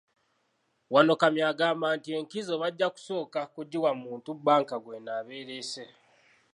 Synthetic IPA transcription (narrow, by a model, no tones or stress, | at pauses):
wano̞kamjaːɡaːmbaːntie̞ŋkizo̞βaɟːaku̥so̞ːkakuɟiwamuːntubaːŋkaɡwenaːβe̞ːɾese